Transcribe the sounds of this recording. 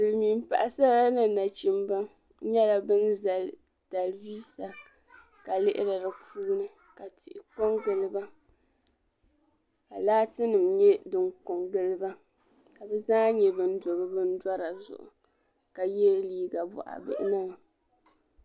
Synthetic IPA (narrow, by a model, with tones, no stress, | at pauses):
dɨ˨lmi˨m˦pa˨ʔa˨sa˦la˦nɨ˨na˨t͡ʃi˨mba˦ | ɲɛ˦la˦bɨ˦nza˨l | ta˨lviː˦sa˨ | ka˨lɪ˦ʔɪ̰˦ɾɨ˨ɾɨ˨puː˦nɨ˦ | ka˨tɪ̰˨ʔɪ˨ko˦ŋɡɨ˨lɨ˦ba˦ | ka˨laː˦tɨ˦nɨ˨mɲɛ˦dɨ˨ŋkʊ˨ŋɡɨ˦lɨ˦ba˦ | ka˨bɛ˦zaː˦ɲɛ˨bɨ˦n̩˦do˨bɨ˦bɨ˦n̩˦dwa˦ɾa˨zʊ̰˨ʔʊ̰˨ | ka˨jɛ˦liː˦ɡa˨bɔ̰˨ʔa̰˨bɨ̰˨ʔɪ̰˦nɨ˦ŋ˨